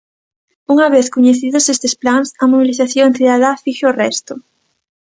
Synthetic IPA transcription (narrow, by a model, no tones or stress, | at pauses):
uŋɐβeθkoɲeθiðʊsest̪esplansɐmoβiliθaθjõθiðaðafiʃorɛst̪ʊ